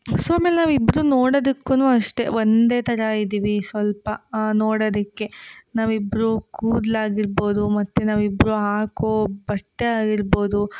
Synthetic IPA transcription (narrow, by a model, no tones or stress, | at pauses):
soːaːmeːlenaːʋibːɾunoːɽod̪ukːunuːɐʂʈe̞ʋond̪e̞ːt̪ʰɐɾɐid̪iːʋisʋɐlpɐnoːɽod̪ikːe̞naːʋibɾukuːd̪laːɡiɾbo̞ːd̪umɐt̪ːenaːʋibːɾuɦaːkobɐʈːeaːɡiɾbo̞ːd̪u